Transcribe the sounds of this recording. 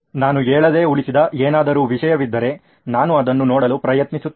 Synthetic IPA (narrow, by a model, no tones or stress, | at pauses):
naːnueːɭɐd̪e̞ːuɭisid̪ɐʔeːnaːd̪ɐɾuːʋiʃɐjɐʋid̪ːɐɾe̞ | naːnuɐd̪ɐnːunɔːɽɐlupɾɐjɐt̪nisut̪ː